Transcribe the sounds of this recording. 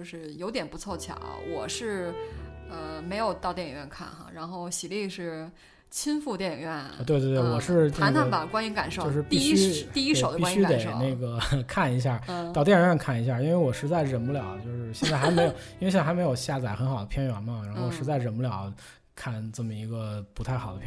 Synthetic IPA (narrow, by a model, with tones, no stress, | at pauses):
t͡ɕjo˥˧ʊʂɻ̩˥˩jo˧˥ʊt̪jɛ˨˩npu˧˥t͡sʰwɔ˥˩t͡ɕʰjɑ̰˨˩˦ʊwɔ˨˩ʂɻ̩˥˩ | ə˧me˧˥ɪjo˨˩ʊt̪ɑ˥˧ʊt̪jɛ˥˩˨ɥɛ˥˧nkʰa̰˥˩nxa̰˩ɻa˧˥nxo˥˩ʊɕi˨˩li˥˧ʂɻ̩˥˩ | t͡ɕʰi˥nfu˥˧t̪jɛ˥˩ɥɛ˥˩n˧˩t̪we˥˧t̪we˥˧t̪wwɔ˨˩ʂɻ̩˥˧ne˥˩aə˥˩ba˨˩kwa˥ny˧˥nka˨˩nʂo˥t͡ɕo˥˧ʊʂɻ̩˥˧p̪i˥˩˥i˥˩i˥ʂo˨˩ʊd̪pia˥ɕy˥at̪e˨˩˦ɪ˧ne˥˩ɡə˩kʰa˥˩ni˧˥ɕ̬ja˥˩˥t̪ɑ˥˧ʊt̪jɛ˥˩ɥɛ˥˧nkʰa˥˩ni˧˥ɕ̬ja˥˩i˥nwe˥˧ɪwɔ˨˩ʂɻ̩˧˥t͡sa˥˩ɪɻə˨˩npu˥˩ljɑ˨˩˦ʊt͡ɕjo˥˧ʊʂɻ̩˥˧ɕjɛ˥˧nt͡sa˥˩ɪxɪme˧˥jo˨˩ʊi˥nwɕ̬m˧˥jo˨˩ʊɕja˥˩t͡sa˨˩ɪxə˧˥nxɑ˨˩ʊd̪ə˦pʰjɛ˥nɥɛ˨˩nmɐ˧ɻa˧˥nxwɔ˨˩ʂɻ̩˧˥t͡sa˥˩ɪɻə˨˩npu˥˩ljɑ˨˩˦ʊ | kʰa˥˩nʈ͡ʂə˥˩mə˩i˧˥ɡə˧pu˧˥t̪ʰa˥˩ɪxɑ˨˩ʊd̪ə˦pʰ